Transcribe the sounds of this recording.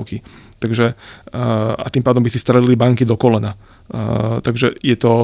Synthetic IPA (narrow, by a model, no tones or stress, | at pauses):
kit̪aɡʒɛ | a̰t̪iːmpaːd̪ɔmbisist̪ɾɛlilibaŋkid̪ɔkɔlɛna | t̪aɡʒɛjɛt̪ɔ